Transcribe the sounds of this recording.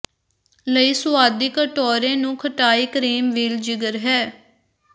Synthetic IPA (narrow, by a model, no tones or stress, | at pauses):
ləiːsʊaːd̪iːkəʈɔːɾẽːnũːkʰəʈaːiːkɾeːmʋiːld͡ʒɪɡəɾɦɛː